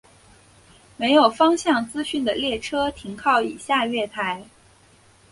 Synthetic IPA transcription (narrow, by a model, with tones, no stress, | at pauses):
me˧˥ɪjo˨˩ʊfɑ˥ŋɕjɑ˥˩ŋt͡sɹ̩˥ɕy˥˩nd̪ə˩ljɛ˥˩ʈ͡ʂʰɤ˥t̪ʰi˧˥ŋkʰɑ˥˩ʊi˨˩ɕja˥˧ɥɛ˥˩t̪ʰa˧˥ɪ